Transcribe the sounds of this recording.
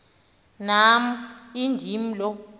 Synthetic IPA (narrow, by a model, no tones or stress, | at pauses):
nam̩indʱim̩lɔ